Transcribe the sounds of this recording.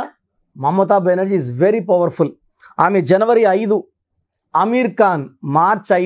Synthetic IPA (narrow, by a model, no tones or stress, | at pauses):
mɐmːɐt̪aːbɛnɐɾd͡ʒiːzʋeɾipɐʋɐɾful | aːmeːd͡ʒɛnɐʋɐɾiɐjd̪u | ɐmiːɾkaːnmaːɾt͡ʃɐ